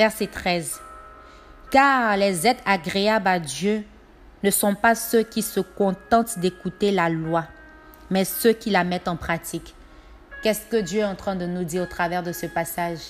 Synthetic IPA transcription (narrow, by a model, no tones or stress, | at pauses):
vɛʁsɛt̪χɛz | kaʁlɛzɛt̪aɡʁeablad̪jø | nəsɔ̃pasøkʲisəkɔ̃t̪ɑ̃t̪d̪ekut̪elalwa | mɛsøkʲilamɛt̪ɑ̃pχat̪ikː | ɛskəd̪jøɛɑ̃t̪χɛ̃d̪ənud̪iʁot̪χavɛʁd̪əsəpasaʒ